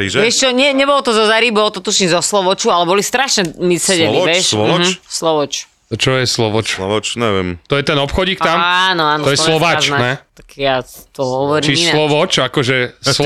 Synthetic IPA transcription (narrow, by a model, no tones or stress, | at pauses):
iʒʋɪɛʃt͡ʃɔɲɛɲɛbɔlɔt̪ɔzɔzaɾibɔlɔt̪ɔt̪uʃizɔslɔʋɔt͡ʃualɛbɔlist̪ɾaʃɲɛmisɛdɛɛɛʃslɔʋɔt͡ʃ | t͡ʃɔjɛslɔʋɔt͡ʃt͡ʃnɛʋɛ̰mt̪ɔjɛt̪ɛnɔpxɔɟiːk̚t̪amanɔaːnɔɔjɛɔslɛɔʋazt͡ʃnanɛt̪ḁkjat̪ɔɦɔʋɔɾiiiinalɔʋɔt͡ʃakɔʒɛs